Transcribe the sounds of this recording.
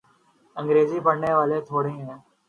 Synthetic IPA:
ə̃ŋɡɾeːziːbʱəɽɳeːʋaːlet̪ʰoːɽẽːẽː

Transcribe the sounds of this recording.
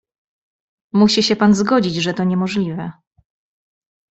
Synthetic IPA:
muɕiɕɛpanzɡɔd͡ʑid͡ʑʐɛt̪ɔɲɛmɔʐlʲivɛ

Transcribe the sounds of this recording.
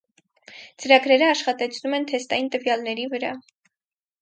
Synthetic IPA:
t͡səɾɑɡɾɛɾəɑʃχɑt̪ɛt͡sʰnumɛnt̪ʰɛst̪ɑjint̪əvjɑlnɛɾivəɾɑ̰

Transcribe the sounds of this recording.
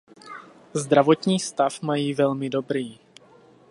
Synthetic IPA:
zd̪ɾavo̞t̪ɲiːst̪afmajiːvɛlmɪdo̞bɾiː

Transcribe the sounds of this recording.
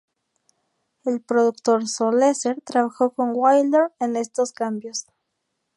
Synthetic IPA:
e̞lpɾo̞ðukt̪o̞ɾsoleseɾt̪ɾaβaxo̞ko̞ŋwajld̪eɾene̞st̪o̞skambjo̞s

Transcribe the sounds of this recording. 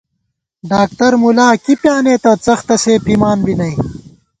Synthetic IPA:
ɖaːk̚t̪ɐɾmulaːkipjaːneːt̪ɐt͡sɐxt̪ɐseːpʰiːmaːnbinɐj

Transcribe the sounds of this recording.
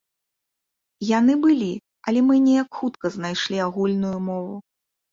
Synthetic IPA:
jan̪ɨbɨlʲi | ɐlʲɛmɨnʲɛjɐkxut̪kɐznajʂlʲiaɣulʲnujumɔvu

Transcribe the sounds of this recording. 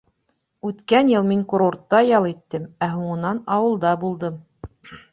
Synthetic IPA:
ʉt̪kænjɤlˠmiŋkuɾort̪ːɑjɑlˠit̪ːɘmæɦuɴɤ̆nɑnɑwɤ̆lˠd̪ɑbulˠd̪ɤm

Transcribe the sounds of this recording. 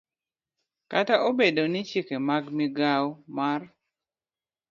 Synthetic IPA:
kataʔobedonɪt͡ʃikemaɡmiɡawmar

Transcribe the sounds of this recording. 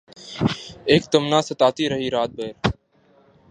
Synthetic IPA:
eːk̚t̪əmnãːsət̪aːt̪iːɾəɦiːɾaːt̪̚beːɾ

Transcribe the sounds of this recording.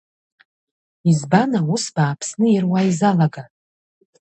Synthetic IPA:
izbanausbaːpʰsnɨjirwaizalaɡa

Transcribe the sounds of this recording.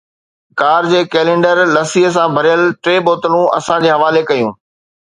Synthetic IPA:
kaːɾd͡ʑeːkeːlẽːɳɖəɾlɐsiɦəs̬ãbʱɐɾɪjəlʈɾeːboːt̪əlũɐ̰sãd͡ʑeːɦɐʋaːlekɐjũː

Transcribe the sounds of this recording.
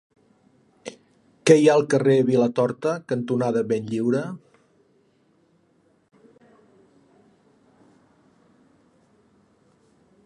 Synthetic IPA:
kɛjaəlˠkəreəβilət̪ɔɾt̪əkənt̪unaðəβenʎiwɾə

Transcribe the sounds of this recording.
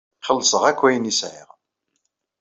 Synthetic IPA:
χəlːsəʁækʷːæjənisʕɪ̰ʁ

